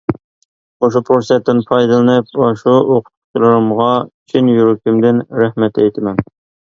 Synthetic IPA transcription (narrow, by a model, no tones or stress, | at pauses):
qoʃupʰoɾsɛt̪ːɪnpʰɑjd̪ɨlˠɨnɨp̚ɑʃuoqʰʊ̥t̪ʰu̥t͡ʃʰlˠɨɾɨmʁɑt͡ʃʰinjuɾukʲymd̪ɪnɾæhmɛt̪ɛjt̪ʰɪmɛn